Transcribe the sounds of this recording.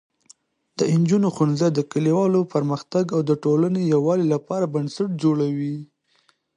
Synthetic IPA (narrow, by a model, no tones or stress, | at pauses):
d̪̥əɪnd͡ʒunoxunzad̪əkaliwɑlopəɾməxt̪aɡawd̪əʈolanejawɑlilapɑɾabansaʈ̚d͡ʒoɽawi